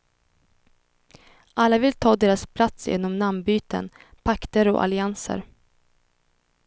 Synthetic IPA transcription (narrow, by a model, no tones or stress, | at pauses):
ʔalːavɪlt̪ʰɑːd̪eːɾaspʰlat̪sjḛːnɔmnambyːt̪ə̰n | pʰakt̪əɾɔ̰ʔa̰lɪansə̰ɾ